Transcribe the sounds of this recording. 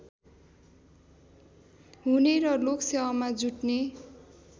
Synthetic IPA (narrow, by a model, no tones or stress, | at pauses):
ɦuneɾʌloksewamad͡zuʈne